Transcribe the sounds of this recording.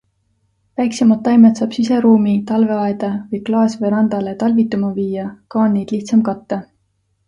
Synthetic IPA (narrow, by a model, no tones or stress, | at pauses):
væjksemɑt̪ːɑjmet̪sɑːb̥sise̞ɾuːmit̪ɑlve̞ɑed̪̥ɑvɤjklɑːsvɤjɾɑnd̪̥ɑle̞t̪ɑlvit̪ːˑumɑviːjɑkɑːnːejd̪̥liht̪sɑmkɑt̪ːɑ